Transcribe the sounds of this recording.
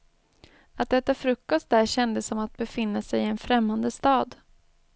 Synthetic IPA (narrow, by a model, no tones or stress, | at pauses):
at̪̚d̪ɛt̪ːafɾɵkːɔst̪̚d̪æɾɕɛnd̪əsːɔmat̪̚bɛfɪnːasɛjɪɛnfɾɛmːand̪əst̪ɑːd̪